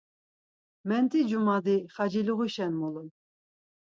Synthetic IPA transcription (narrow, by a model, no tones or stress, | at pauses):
mɛnt̪ʰʼid͡ʒumad̪iχɑd͡ʒiluʁuʃɛnmulun